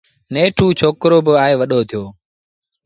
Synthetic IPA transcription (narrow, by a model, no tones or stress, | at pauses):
neːʈʰuːt͡ʃʰoːkɾoːbəaːeːʋəɗoːt̪ʰɪjoː